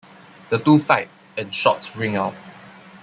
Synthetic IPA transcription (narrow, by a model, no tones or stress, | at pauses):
d̥ətuːfaɪt̚ | ɛ̃nʃɔ̰tsɹɪ̃ŋaʊt̚